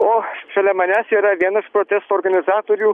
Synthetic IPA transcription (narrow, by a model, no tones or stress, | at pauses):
oʃɐlʲɛmɐnʲæːsʲiɾɐʋʲiɛnɐʃpɾot̪ʲɛst̪oːɾɡɐnʲɪzɑːt̪oɾʲu